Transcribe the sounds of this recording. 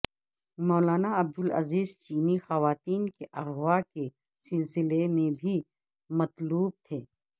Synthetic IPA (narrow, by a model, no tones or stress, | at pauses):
mɔːlaːnaɐb̚d̪ʊlɐ̰ziːzt͡ʃiːnixɐʋaːt̪iːnkeʔɐɣwaːke | sɪlsɪlemẽbʱi | mɐt̪luːb̚t̪ʰeː